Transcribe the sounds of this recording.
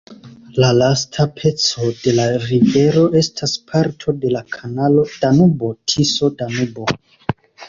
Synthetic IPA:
lalastʰapʰe̞t͡so̞de̞laɾive̞ɾo̞ʔe̞stʰaspʰaɾtʰo̞de̞lakʰanalo̞d̥anubo̞tʰiso̞danubo̞

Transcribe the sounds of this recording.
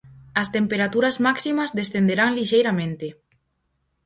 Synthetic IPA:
ɐst̪empeɾat̪uɾɐzmaksimɐzðesθend̪eɾaŋliʃejɾamẽnt̪e

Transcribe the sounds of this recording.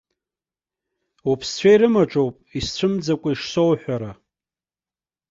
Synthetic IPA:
upʰst͡ɕʷʰaiɾɨmaʈ͡ʂʼowpʼist͡ɕʷʰɨmd͡zakʷʼaiʂsowħʷᶣaɾa

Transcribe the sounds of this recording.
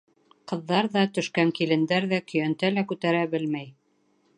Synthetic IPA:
qɤ̆ðːɑɾðɑt̪ɵ̆ʃkæŋkilɘ̆nd̪æɾðækɵ̆jænt̪ælækʉt̪æɾæbɘlmæj

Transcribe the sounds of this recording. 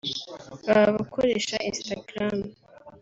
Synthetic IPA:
βaββakʰoɾeʃaʔinstaɡɾam

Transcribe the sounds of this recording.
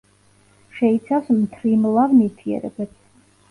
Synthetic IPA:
ʃɛit̪sʰawsmt̪ʰɾimlˠavmit̪ʰiɛ̰ɾɛ̰bɛt̪

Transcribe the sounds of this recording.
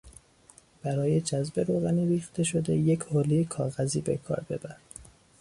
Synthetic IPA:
b̥æɾɒːje̞d͡ʒæzbe̞ɾoːɣæniːɾiːxt̪e̞ʃo̞d̪e̞jecʰhoːliekʰɒːɣæziːbe̞̰kʰɒ̰ːɾbe̞̰bæɾ

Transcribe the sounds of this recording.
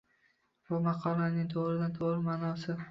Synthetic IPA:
bʊmɑqʰɒlanɪŋt̪ʰoʁɾɪd̪ant̪ʰoʁɾɪmaːnɒsɪ

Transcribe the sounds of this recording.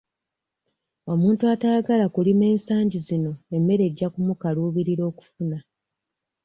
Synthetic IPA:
o̞muːntuataaɡalakulime̞ːnsaːɲɟizino̞e̞mːe̞ɾe̞ɟːakumukaluːβiɾiɾo̞ːku̥funa

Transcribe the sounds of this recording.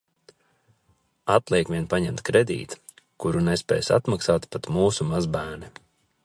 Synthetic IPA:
at̪lˠɛɛkviɛnpaɲɛmt̪kɾed̪ḭːt̪ | kuɾunespʲɛ̰ːjsa̰t̪maksaːt̪pat̪muːsumazbæːnɛ

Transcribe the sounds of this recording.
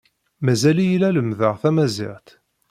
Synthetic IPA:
mæzælijəlæləmðəʁθæmæzḭʁt̪

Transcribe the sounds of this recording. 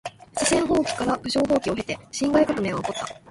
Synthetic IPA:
ɕisẽ̞ɰ̃ɦo̞ːkʲi̥kaɾabɯ̟ɕo̞ːɦo̞ːkʲio̞ɦe̞t̪e̞ɕĩŋɡaikakɯ̟me̞ːŋɡaoko̞t̪ːa̰

